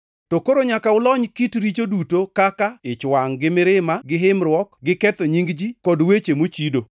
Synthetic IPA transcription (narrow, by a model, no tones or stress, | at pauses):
tokoɾoɲakaʊlɔɲkitɾit͡ʃodutokakaɪt͡ʃwaŋɡɪmɪɾɪmaɡɪɦɪmɾwɔkɡɪkɛt̪oɲiŋɡd͡ʒikɔdwet͡ʃemot͡ʃido